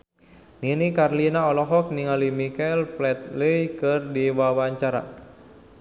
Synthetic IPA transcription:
ninikarlinaɔlɔɦɔk̚niŋalimikalplɛt̪̚ləjkɨrdiwawaɲt͡ʃaɾa̰

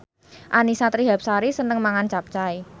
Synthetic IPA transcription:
ʔanisat̪ɾiɦap̚saɾisənəŋmaŋant͡ʃap̚t͡ʃai

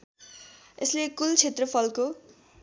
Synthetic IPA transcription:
eslekult͡sʰet̪rʌpʰʌlko

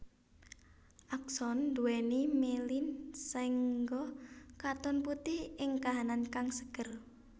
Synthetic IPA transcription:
ʔaksɔnd̪uwɛnimelinsɛŋɡɔkat̪ɔnput̪ihɪŋkaɦanankaŋsəkər

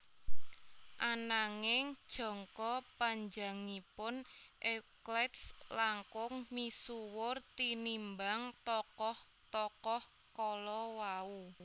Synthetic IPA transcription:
ʔanaŋɪŋd̥ʒ̥ɔ̤ŋkɔpaɲd͡ʒa̤ŋipʊnʔɛklɛt̪slaŋkʊŋmisuwʊrt̪inimbaŋt̪ɔkɔh | t̪ɔkɔh | kɔlɔwau

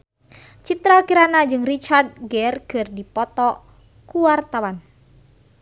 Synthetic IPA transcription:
t͡ʃit̪ɾakiɾanad͡ʒɨŋrit͡ʃard̚ɡɛrkɨrdipɔt̪ɔ | kuwart̪awan

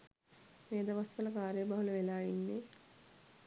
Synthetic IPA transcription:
meːd̪ɐʋasʋələkaːɾejːbɐɦuləʋelaːinːe

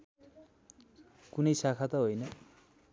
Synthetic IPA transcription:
kunʌjsakʰat̪ʌɦojnʌ

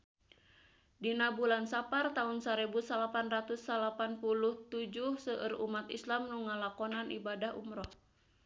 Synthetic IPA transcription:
dinabulansapart̪aunsaɾebusalapanrat̪usːalapanpuluht̪ud͡ʒuhsəʔərumat̪ḭslamnuŋalakɔnanʔibadahṵmɾɔh

